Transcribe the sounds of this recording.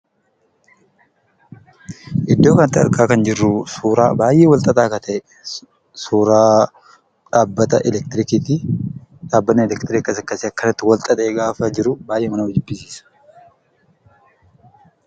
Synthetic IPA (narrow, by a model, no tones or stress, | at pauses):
ʔɪd̪ːoːkɐnɐt̪ːɪɐ̰ɾkʼaːkɐnd͡ʒɪrːʊsuːɾaːbaːjʔeːwɐlt̪ʼɐt̪ʼaːkɐt̪ʰɐʔɛ | suːɾaː | ᶑaːbːɐt̪ɐʔɛlɛk̚t̪ɪɾɪkit̪ɪᶑaːbːɐnːɛɛlɛkt̪ɪɾɪkːɐsɐkːɐseɐkːɐnɐt̪ːɪwɐlt̪ʼɐt̪ʼeːɡaːfɐd͡ʒɪɾʊbaːjʔeːmɐnɐwɔd͡ʒɪbːɪsiːsɐ̥